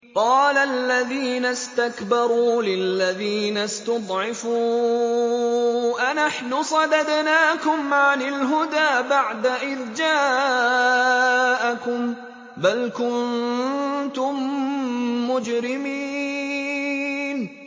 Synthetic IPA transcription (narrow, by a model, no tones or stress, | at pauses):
qɑːlalːaðiːnast̪akbɑɾˤuːlɪlːaðiːnast̪ʊd̪ˤʕɪfuː | ʔanaħnʊsˤɑd̪ad̪naːkʊmʕanɪlɦʊd̪aːbaʕd̪aʔɪðd͡ʒaː | ʔakʊm | balkʊn | t̪ʊmː | ʊd͡ʒɾɪmiː | n